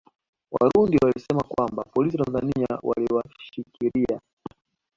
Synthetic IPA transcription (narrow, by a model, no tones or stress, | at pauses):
wa̰ɾundiwalisɛmakwambapɔlis̬itanzaniawa̰liwaʃikiɾia